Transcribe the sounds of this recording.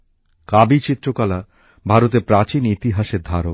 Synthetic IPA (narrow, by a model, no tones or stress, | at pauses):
kabit͡ɕit̪ːɾokala | bʱaɾot̪̬eɾpɾat͡ɕinit̪iɦaʃeɾd̪ʱaɾo